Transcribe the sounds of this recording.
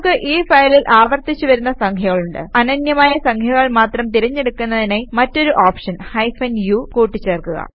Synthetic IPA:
kːɨʔiːfɐjlilʔaːʋɐrt̪ːit͡ɕːuʋɐɾunːɐsɐŋkʰjɐɣɐɭuɳɖɨ̰ɐnɐnjɐmaːjɐsɐŋkʰjɐɣɐɭmaːt̪rɐmt̪iɾɐɲːe̞ɽukːunːɐðinemɐtːo̞ɾuʔaːpʂɐnhɐjfɐnjukuːʈːit͡ɕːeːrkuɣɐ̰

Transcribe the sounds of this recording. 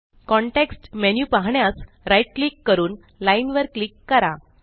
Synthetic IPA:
kɔ̃ɳʈeksʈmenjupaɦɳjas | ɾajiʈ̚klikːəɾuːn | lainʋəɾklikːəɾa

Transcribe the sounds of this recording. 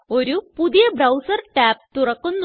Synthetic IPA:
oɾupuðijɐbrɐwsɐrʈaːp̚t̪urɐkːunː

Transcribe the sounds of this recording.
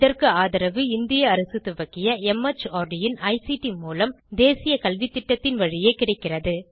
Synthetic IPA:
ɪðɐrkɯaːðɐɾɐʋɯɪnd̪ɪjɐːɾɐsɯt̪ʊʋɐkːɪjɐɛmɐt͡ʃːaːɾɖɪjɪnɐɪsiʈimuːlɐm | d̪eːsɪjɐkɐlʋit̪ːɪʈːɐt̪ːɪnʋɐɻɪjeːkɪɽɐɪkːɪrɐðɯ

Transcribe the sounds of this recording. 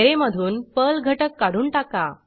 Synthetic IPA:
eɾeməd̪ʱuːnpəlɡʱəʈəkːaɽuːnʈaka

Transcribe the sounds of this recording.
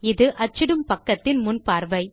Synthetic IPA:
ɪðɯʔɐt͡ʃːɪɽɯmpɐkːɐt̪ːɪnmʊnpaːɾʋɐɪ

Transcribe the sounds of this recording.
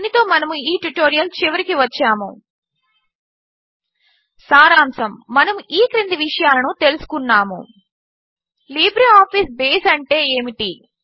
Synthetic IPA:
nit̪o̞ːmɐnɐmuiːʈuʈo̞ːɾijɐlt͡ʃiʋɐɾikiʋɐt͡ʃːaːmṵ | saːɾaːmsɐmːɐnɐmuiːkɾind̪iʋiʂɐjaːlɐnut̪e̞lusu̥kunːaːmṵ | liːbɾiaːpʰiːsbeːsɐɳʈe̞ːeːmiʈi

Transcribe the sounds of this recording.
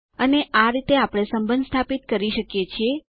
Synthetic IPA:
əneʔaɾit̪eapɽ̃esəmbənd̪st̪ʰapit̪̚kəɾiʃəkjet͡ʃʰie

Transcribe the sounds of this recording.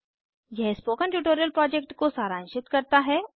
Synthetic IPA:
jɛɦspoːkənʈjuːʈoːɾijəlpɾɔːd͡ʒek̚ʈkosaːɾãːnʃɪt̪kɐɾt̪aɦɛː

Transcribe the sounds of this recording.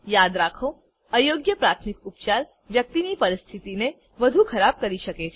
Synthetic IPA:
jaːd̪ɾaːkʰõ | ɐjoːɡjəpɾaːt̪ʰmɪkʊpt͡ʃaːɾ | ʋjɐk̚t̪inipɐɾɪst̪ʰɪt̪ine | ʋɐd̪ʱukʰɐɾaːb̚kɐɾiʃɐket͡ʃʰe

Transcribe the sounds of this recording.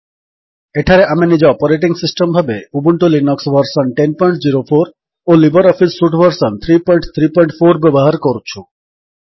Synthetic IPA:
eʈʰaɾeʔaminid͡ʑeɔpoɾeʈiŋsisʈembʱabeubuɳʈulinɔksbʱəɾsɔnʈenpɔjɳʈd͡ʑiɾofʰoɾ | olibəɾɔfʰisːuʈbʱəɾsɔnt̪ʰɾipɔjɳʈt̪ʰɾipɔjɳʈfʰoɾbɛbɔɦaɾkoɾt͡ɕʰu

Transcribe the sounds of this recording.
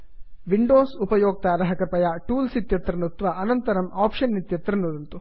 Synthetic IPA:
ʋiɳɖoːsupɐjoːk̚t̪aːɾɐɦɐkɐpɐjaːʈuːlsit̪jɐt̪ɾɐnut̪ʋɐʔɐnɐnt̪ɐɾɐmaːpʂɐnːit̪jɐt̪ɾɐnːud̪ɐnt̪u

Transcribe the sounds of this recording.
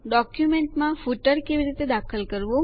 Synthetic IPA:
ɖɔkjumeɳʈmãfuʈəɾkeʋiɾit̪ed̪akʰəlkəɾʋõ

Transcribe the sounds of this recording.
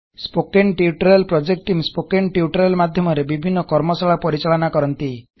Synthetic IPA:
spokeɳʈiuʈɔɾelpɾɔd͡ʒek̚ʈʈːimspokeɳʈiuʈɔɾelmad̪ʱjɔmɔɾebibʱinːɔkɔɾmɔsaɭapɔɾit͡ʃaɭɔnakɔɾɔnt̪i

